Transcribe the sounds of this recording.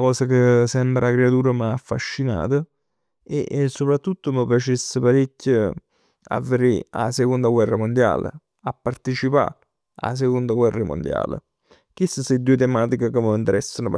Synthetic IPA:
kɔːsakəsɛmbɾakɾeat̪uːɾəmaːfːa̰ʃːina̰ːt̪ə | ḛʔsːopɾat̪ːut̪ːoməpjat͡ʃesːəpaɾicʰːə | a̰vːəɾia̰sekond̪aɡwɛrːamond̪ja̰ːlə̰ | apːart̪it͡ʃipa̰ | a̰s̬ekond̪aɡwɛrːəmo̰nd̪ja̰ːlə̰ | k̟isəseid̪ːuet̪emaːt̪ikəkəməint̪eɾɛsːanop

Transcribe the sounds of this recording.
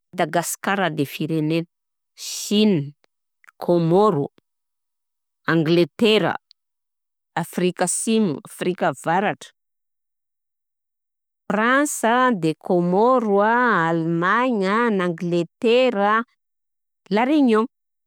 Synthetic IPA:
ad̪aɡaskaɾad̪efiɾenen | ʃini | kʰomoɾu | aŋɡlet̪eɾə̰ | afrikəsimṵafrikəvaɾaʈ͡ʂə̥ | fransəd̪ekʰomoɾwaalmaɲənaŋɡlet̪eɾə | laɾeɲo

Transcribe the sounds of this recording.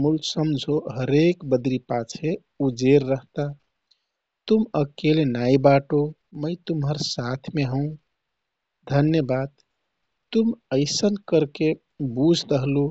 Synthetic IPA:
mulsəmd͡ʒʱoɦəɾekbəd̪ɾipat͡ʃʰe | ud͡ʒeɾːəɦt̪a | t̪uməkelenaibaʈo | məjt̪umɦəɾsat̪ʰmeɦəũ | d̪ʱənjəbad̪̚ | t̪uməɪsənkəɾke | bud͡ʒʱd̪əɦlu

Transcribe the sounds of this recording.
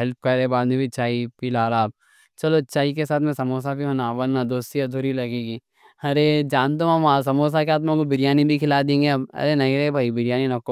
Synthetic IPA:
ɦɛlp̚kɐɾebaːd̪mẽbʱit͡ʃaːipilaːɾaːb̚ | t͡ʃɐlot͡ʃaːikesaːt̪ʰmɛ̃sɐmoːs̬abʱiɦɐ̃naːʋɐnnːad̪oːsiɐd̪ʱuɾilɐɡeːɡiː | ɐɾed͡ʒaːnt̪̬õãmaːsɐmoːs̬akeaːt̪mõkobɪɾɪjaːnibʱikʰɪlad̪ẽːŋɡeɐbɐ̰ɾenɐiɾebʱaːibɪɾjaːninɐkːo

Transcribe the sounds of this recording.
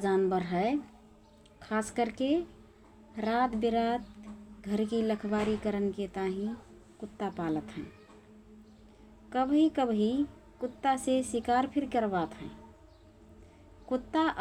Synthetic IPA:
d͡ʒanbəɾɦəe | kʰaskəɾke | ɾat̪biɾat̪ɡʱəɾkiləkʰbaɾikəɾənket̪aɦĩ | kut̪ːapalət̪ɦɛ̰̃ | kəbɦikəbɦi | kut̪ːasesikaɾpʰiɾkəɾbat̪ɦə̃ | kut̪ːaʔ

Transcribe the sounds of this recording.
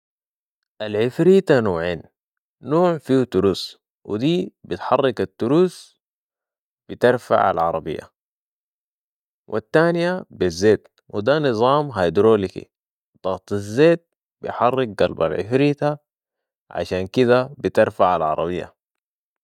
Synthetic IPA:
ʔalʕɪfɾiːt̪anoːʕeːn | noːʕfiːt̪uɾuːs | wḭd̪iːbit̪ħɑrˤːɑkat̪ːuɾuːs | b̥it̪ɪɾfa̰ʕa̰lʕɑ̰ɾˤɑbḭjːa̰ | wʔit̪ːaːnjabizːeːt̪ | wid̪anɨzˤɑːmɦajd̪ɾoːlikḭ | d̪̥ˤɑɣt̪ˤazːeːt̪̚ | bḭjħɑrˤːɪk̚ɡɑlba̰lʕɪ̰fɾiːt̪a | ʕa̰ʃaːnkid̪abit̪ɪɾfaʕalʕɑ̰ɾˤɑ̰bijːa̰

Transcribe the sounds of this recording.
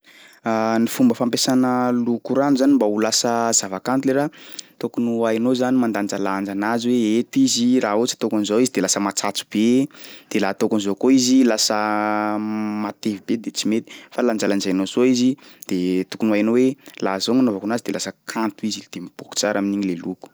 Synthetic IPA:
anifumbəfampesanəlukuɾanizanimbaulasəz̥avakant̪uleɾat̪okunuajnozanimand̪and͡ʒaland͡ʒanaziweet̪iziraot͡si̥t̪okanizoizid̪elasəmat͡sat͡su̥b̥ed̪̥elaːt̪okanizokoizilasə | mat̪evibed̪et͡simet̪i̥faland͡ʒalanzajnozoizid̪̥et̪ukunuajnowelazoŋanovakunazid̪elasəkʰant̪uizid̪̥emib̥oku̥t͡saɾʔaminiɲileluku̥

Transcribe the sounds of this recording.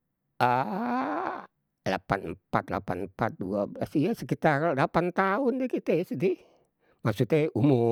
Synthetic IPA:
ʔa | la̰panpat̪̚la̰pa̰nmpat̪̚duabəlasijasəkit̪akallapant̪aʊndɛkit̪esidi | masut̪ɛumʊ

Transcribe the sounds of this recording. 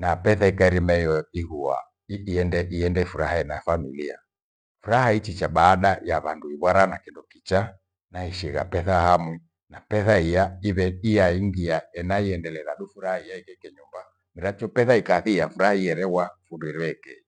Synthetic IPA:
napɛθaikaiɾimɛjɔiɣua̰ | iːɛndɛʔiɛndɛfuɾahaɛnafanṵlia̰ | fuɾahait͡ʃit͡ʃaɓaːɗajaβanduiβwaɾanakindɔkit͡ʃa | naiʃiɣa̰pɛθahamu | napɛθaijaiβɛijaiŋɡiaɛnaiɛndɛlɛɾaɗufuɾahaijaikɛkɛɲumba | miɾat͡ʃɔpɛθaikaθiafuɾahaiɛɾɛɣwafunduiɾɛkɛ

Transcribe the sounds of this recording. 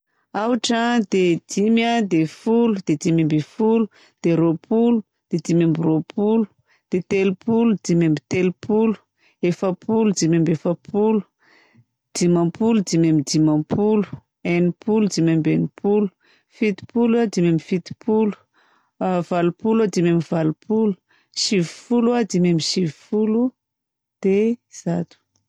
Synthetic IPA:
awʈ͡ʂad̪ed̪̥imjad̪efulud̪̥ed̪imambifulu̥ | d̪̥eɾopʰulu | d̪̥ed̪imambiropʰulu̥ | d̪̥et̪elupulud̪̥imambit̪elupulu̥ | efəpulud͡zimambefəpʰulu̥ | d̪̥imãpulud̪imamid̪imãpʰulu̥ | enipulud̪imambenipʰulu̥ | fit̪i̥puluad̪imamifit̪i̥pulu̥ | valupulad̪imamivalupulu̥ | ʃivifuluad̪imamiʃivifulu | d̪̥ez̥at̪u̥

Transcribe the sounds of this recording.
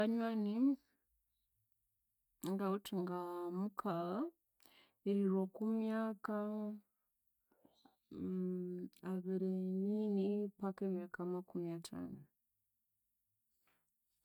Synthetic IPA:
aɲwani | ŋɡautiŋɡamukʰala | eiɾwokumjaka | aβiɾeɲinipakemjakamakumiatʰa̰nu

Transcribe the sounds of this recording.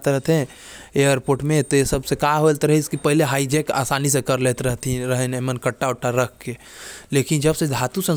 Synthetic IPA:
t̪ɾəɦt̪ɦẽ | ejəɾpoɾʈmet̪ɔesəbʱsekaɦolt̪ɾəɦiskipəɦileɦaid͡ʒɛka̰sanisẽkəɾlet̪ɾəɦt̪iɾəɦɛnemənkəʈːaoʈːaɾəkʰke | lekind͡ʒəbsed̪ʱat̪usə̃n

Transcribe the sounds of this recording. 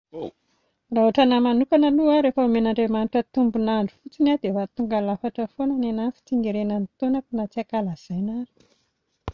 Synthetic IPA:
raɦuaʈ͡ʂənamanukanaluaɾefəumenaɳɖ͡ʐemaniʈ͡ʂət̪umbunaɳɖ͡ʐu̥fut͡sinad̪evat̪uŋɡalafaʈ͡ʂəfonananant͡si̥t͡siŋiɾenanit̪onat̪inat͡siakalaz̥ajnaɾi̥

